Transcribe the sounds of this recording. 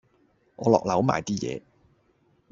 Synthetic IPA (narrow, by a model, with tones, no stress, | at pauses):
ŋʔɔː˨˧lɔː˨k̚lɐ˨˧˥wmaː˨jt̪iː˥jɛ̰ː˨˧